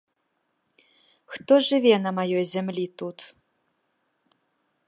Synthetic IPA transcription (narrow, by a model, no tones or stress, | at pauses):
xt̪oʒɨvʲenɐmɐjɔjzʲɛmlʲit̪ut̪